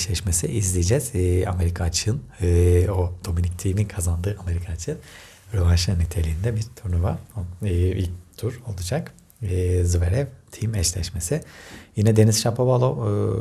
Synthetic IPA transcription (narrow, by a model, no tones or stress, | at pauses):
ɛʃlʲɛʃmesiʔizlʲid͡ʒɛz̥a̰me̞ɾikʰat͡ʃʰɯɯnɯod̪̥o̞minict̪ʰimikʰazand̪ɯːameɾikʰat͡ʃʰɯɯn | ɾovanʃɯnːit̪ʰe̞lʲiːnd̪ɛbiɾt̪ʰuɾnuvaɯḭlʲct̪ʰuɾo̞lˠud͡ʒak | ɯːzɯveɾɛvt̪ʰimɛʃlʲɛ̰ʃme̞sɪjinɛd̪e̞nizʃapʰovalˠo